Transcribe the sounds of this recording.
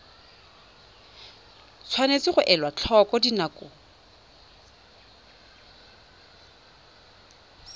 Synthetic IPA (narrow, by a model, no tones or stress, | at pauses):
t͡sʰwanet͡sɪχʊʔɛlwat͡ɬʰɔkɔdinakʼʊ